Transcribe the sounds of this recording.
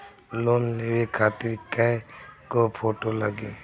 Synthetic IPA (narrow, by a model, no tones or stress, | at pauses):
loːnleːwekʰaːt̪ɪɾkaɡoːpʰoːʈoləɡeː